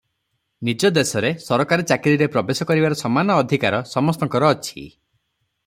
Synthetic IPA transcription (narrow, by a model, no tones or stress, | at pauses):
nid͡ʒɔd̪esɔɾesɔɾɔkaɾɔt͡ʃakiɾiɾepɾɔbesɔkɔɾibaɾɔsɔmanɔːd̪ʱikaɾɔsɔmɔst̪ɔŋkɔɾɔːt͡ʃʰḭ